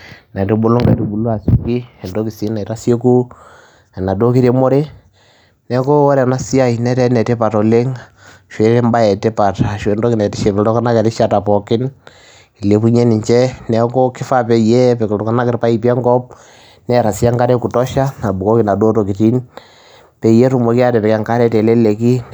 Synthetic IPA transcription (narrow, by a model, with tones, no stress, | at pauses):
na˨tu˦bu˦lu˦ŋɡa˨tu˨bu˨lu˦a˨su˨ki˦ɛ˨ndo˦ki˨si˦na˨i˨ɾa˦se˦ku˦ | ɛ˨na˨do˦ki˦ɾe˦mo˦ɾe˦ | nɛ˦ko˦wɔ˦ɾɛ˨na˦si˦a˦i˨nɛ˦tɛ˦nɛ˨te˦pa˨tɔ˨le˦ŋ | ʃwe˨˦le˦mba˦ɛ˨te˦pa˨ta˨ʃwe˨˦ndɔ˦ki˨nɛ˨tɪ˦ʃe˨pɛ˨lɔ˦ka˦na˦kɛ˨ɾɪ˦ʃa˦ta˨pɔ˨kɪ˦n | i˨le˨˦pu˦ɲe˦nɪ˨ɲt͡ʃɛ˦nɛ˦ko˦kɪ˦fa˦pɛ˨jɛ˦pɛ˨klo˨ka˦na˦kɪ˨ɾpa˦ipi˦ɛ˦ŋɡɔ˦p̚ | nɛ˦ɾa˨si˦a˦ŋka˦ɾe˦ku˨tɔ˦ʃa˦na˨bu˨ko˦ki˨na˨do˦to˨ki˨ti˦n | pe˨ije˦tu˨mo˨ki˦a˦dɛ˨pɛ˨ka˨ŋka˦ɾɛ˦tɛ˨le˦le˨ki˦